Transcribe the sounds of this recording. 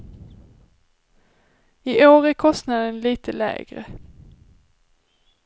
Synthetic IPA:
ɪʔoːɾæɾkʰɔst̪nad̪ənliːt̪ʰəlɛ̰ːɡɾə̰

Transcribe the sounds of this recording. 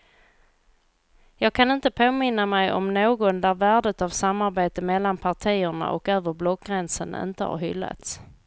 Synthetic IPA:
jɑːɡ̚kʰanɪnt̪əpʰoːmɪnːamɛjʔɔ̰mnoːɡɔnd̪æɾvæːɖət̪avsamːaɾbeːt̪əmɛlːanpʰaʈʰiːəɳa̰ʔɔ̰køːvəɾblɔkɡɾɛnsənɪ̰nt̪əha̰ɾɦʏ̰lːa̰t̪s

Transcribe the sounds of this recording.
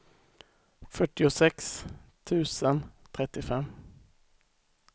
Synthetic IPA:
fœʈːɪʊsɛkst̪ʰʉ̟ːsənt̪ʰɾɛt̪ːɪfɛmː

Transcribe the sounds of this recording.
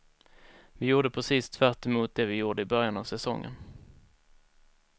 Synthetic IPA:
vɪjuːɖəpʰɾɛsiːst̪ʰvæʈːɛmʊːt̪̚d̪ɛvɪjuːɖəɪbœɾjanavsɛsɔ̰ŋːə̰n

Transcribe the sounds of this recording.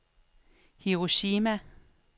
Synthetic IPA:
hiʁoɕiːmæ

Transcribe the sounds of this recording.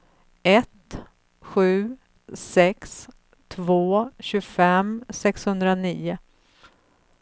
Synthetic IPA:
ɛt̪ | ɧʉ̟ː | sɛks | t̪ʰvoːɕɵɡfɛmsɛkshɵnd̪ɾaniːʊ

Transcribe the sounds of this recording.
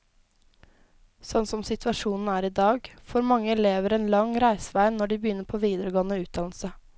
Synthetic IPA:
sɔnsɔmsɪt̪ʰʋɑʃuːnn̩æːɾiːd̪ɑːɡfɔɾmɑŋːəleːʋəɾeːnlɑŋɾæɪsəʋæɪnːɔɖiːbəjʏnːəɾpʰoːʋiːd̪əɾəɡoːnəʉːt̪̚d̪ɑːnl̩sə

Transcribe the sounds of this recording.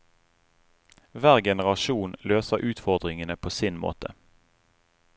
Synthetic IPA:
ʋæːʁɡɛnəʁɑʃuːnløːsəʔʉːt̪fɔʁd̪ʁɪŋənəpʰoːsɪnmo̰ːt̪ə

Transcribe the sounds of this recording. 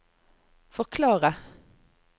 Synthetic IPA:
fɔʁkʰlɑːʁə

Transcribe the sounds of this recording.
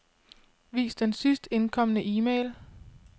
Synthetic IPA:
ʋḭːsd̥ensysd̥e̝nkʰɒ̽mənəʔiːmeːl

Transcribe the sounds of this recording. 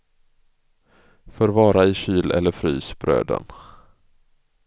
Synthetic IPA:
fœːɾvɑːɾaɪɕyːlʔɛ̰lːəɾfɾy̰ːsb̥ɾø̰ːd̪ə̰n

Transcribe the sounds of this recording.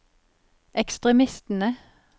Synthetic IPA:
ʔɛkst̪ʁɛmɪst̪n̩ə

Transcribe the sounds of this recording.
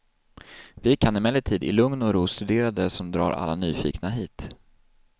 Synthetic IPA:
vɪkʰanɪmɛlːəʈʰiːd̪ɪ̰lɵŋnɔɾuːst̪ɵd̪eːɾad̪əsɔmd̪ɾɑ̰ːɾʔa̰lːanyːfḭːknaɦiːt̪

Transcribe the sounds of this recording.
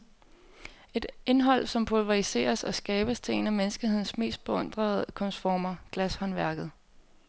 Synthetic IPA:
e̝d̥e̝nɦɒ̽l̰sɒ̽mpʰolʋɑise̝̰ːɐsɒ̽sɡ̥ɛːb̥əst͡sʰe̝e̝næmensɡ̥ihe̝ð̰ˠn̩sme̝̰ːsd̥̚b̥e̝ɔ̽n̰d̥ʁɐð̩ˠkʰɔ̽nsfɒːmɐɡ̥læshɒ̽nʋæɐɡ̥ð̞̩ˠ

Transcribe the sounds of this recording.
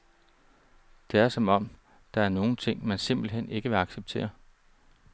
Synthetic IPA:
d̥e̝æɐsɒ̽mɒ̽m̰ | d̥ɑ̈æɐno̝ːn̩t͡sʰe̝ŋ̰mænse̝m̰b̥l̩ɦen̰e̝ɡ̥əʋe̝ɑ̈ɡ̥seb̥̚t͡sʰe̝̰ːɐ

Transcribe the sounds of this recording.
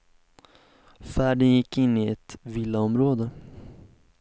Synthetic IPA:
fæːɖənjɪkːɪnːɪɛt̪vilːaɔmɾoːd̪ə

